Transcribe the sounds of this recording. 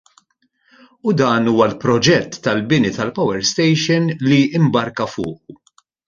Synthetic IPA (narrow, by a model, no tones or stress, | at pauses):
ud̪ɐːnuːwɐlpɾɔd͡ʒɛt̪ːɐlbɪnit̪ɐlpɐwɛɾst̪ɛjʃɪnliɪmbɐɾkɐfʊːʔu